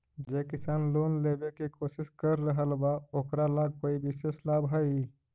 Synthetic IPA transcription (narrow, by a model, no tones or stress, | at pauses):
d͡ʒekɪsaːnloːnlebekikoːsɪskəɾːəɦəlbaoːkɾalaɡ̚koːibɪseslaːbɦəi